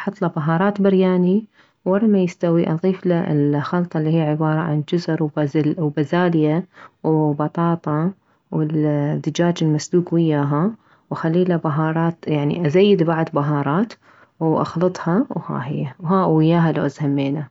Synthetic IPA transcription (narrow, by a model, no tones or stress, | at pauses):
ħɑt̪ˤːlabaɦɑːɾˤɑːt̪bɪɾjaːni | wːɑrˤːɑmajɪst̪awiʔɑðˤiːflaʔɪ̰lxɑlt̪ˤɑlːihijːʕɪbɑːɾˤɑʕand͡ʒʊzɾwzwbazaːlɪjawbɑt̪ˤɑːt̪ˤɑ | wɪld̪ɪd͡ʒaːd͡ʒɪlmasluːkwɪjːaːɦa | wʔaxalːiːlabaɦɑːɾˤɑːt̪jaʕnḭʔazajːɪd̪baʕd̪ˤbaɦɑːɾˤɑːt̪ | wʔɑ̰xlɨt̪ˤhɑwha̰ːhɪ̰jːawɦaːʔwɪjːaːɦalawʔazhamːeːna